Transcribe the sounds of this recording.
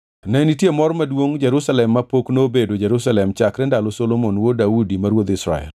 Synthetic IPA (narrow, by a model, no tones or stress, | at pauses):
nɛnitjemɔɾmadwoŋd͡ʒɛɾusalɛmːapoknobedod͡ʒɛɾusalɛmt͡ʃakɾɛndalɔsolomonwodaudimaɾwod̪ɪsɾa̰ɛ̰l